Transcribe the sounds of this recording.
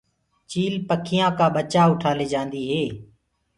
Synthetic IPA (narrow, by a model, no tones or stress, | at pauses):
t͡ʃiːlpəkʰɪjãːkaːɓət͡ʃaːʊʈʰaːleːd͡ʒãːnd̪iːɦeː